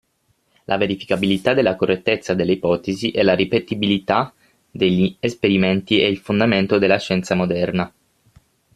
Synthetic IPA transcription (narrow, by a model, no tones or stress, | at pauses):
lʔa̰veɾifi̥kabilit̪ad̪elːakorːet̪ːet̪sːad̪elːeipɔːt̪eziʔɛlaɾipet̪ibilit̪a | d̪eʎːiespeɾiment̪iɛilfond̪ament̪od̪elːaʃːɛnt̪samod̪ɛrna